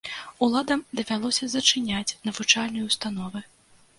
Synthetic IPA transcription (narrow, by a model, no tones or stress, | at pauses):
ulˠad̪ɐmd̪ɐvʲalˠɔsʲɐzɐt͡ʂɨnʲat͡sʲnɐvut͡ʂalʲnɨjust̪an̪ɔvɨ